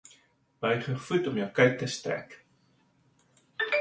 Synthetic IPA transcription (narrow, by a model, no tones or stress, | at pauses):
b̥əjχəfutɔmjəwkœɥk̚təstræ̰k